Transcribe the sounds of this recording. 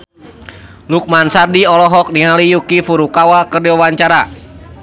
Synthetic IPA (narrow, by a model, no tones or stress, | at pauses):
luk̚mansardiɔlɔɦɔk̚niŋalijukifuɾukawakərdiwawaɲt͡ʃaɾa